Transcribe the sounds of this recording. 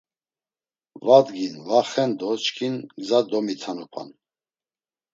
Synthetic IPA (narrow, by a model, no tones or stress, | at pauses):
vad̪ɡinvaχɛnd̪ɔt͡ʃkʰinɡzad̪ɔmit̪ʰanupʰa̰n